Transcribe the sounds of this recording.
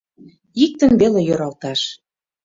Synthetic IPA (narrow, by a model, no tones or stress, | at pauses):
ik̚t̪ə̆nβelejøɾɑlt̪ɑʃ